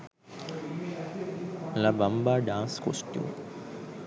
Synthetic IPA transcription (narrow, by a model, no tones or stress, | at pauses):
labɐmbaɖãːnsko̰sʈ̪jo̰